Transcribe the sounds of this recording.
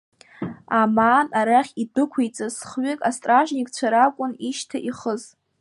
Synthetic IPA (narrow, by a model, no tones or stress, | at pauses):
amaːnaɾaχʲidɨkʷʰejt͡sʼasχɥɪkʼastʼraʒnikʼt͡ɕʷʰaɾakʷʼʊniʃtʰaʔiχəz